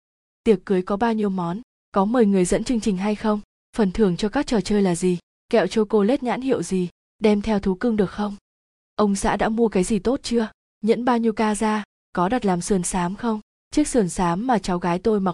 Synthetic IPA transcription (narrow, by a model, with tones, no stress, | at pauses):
t̪i˨˩əkːɨ˨˦əjkɔ˨˦ɓaː˧wɲi˧əwmɔ˨˦n | kɔ˨˦mɨː˨˩jŋɨ˨˩əjzə̰˧˥nt͡ɕɨ˧əŋt͡ɕï˨˩ŋ̟ɦa˧jxə˧wŋ͡m | fə˨˩nt̪ʰɨ˨˩əŋt͡ɕɔ˧kaː˦˥k̚t͡ɕəː˨˩t͡ɕəː˧jlaː˨˩zi˨˩ | kɛ̰˧˨wt͡ɕo˧ko˧le˦˥t̚ɲa̰ː˧˥nhḭ˧˨əwzi˨˩ | ɗɛ˧mt̪ʰɛ˧wt̪ʰu˨˦kɨ˧ŋɗɨ˨˩ək̚xə˧wŋ͡m | ʔə˧wŋ͡msa̰ː˧˥ɗa̰ː˧˥mu˧əkaː˨˦jzi˨˩t̪o˦˥t̚t͡ɕɨ˧ə | ɲə̰˧˥nɓaː˧wɲi˧əwkaː˧zaː˧ | kɔ˨˦ɗa˨˩t̚laː˨˩msɨ˨˩ənsaː˨˦mxə˧wŋ͡m | t͡ɕɨ˦˥ək̚sɨ˨˩ənsaː˨˦mːaː˨˩t͡ɕa˨˦wɣaː˨˦jt̪o˧jma˨˩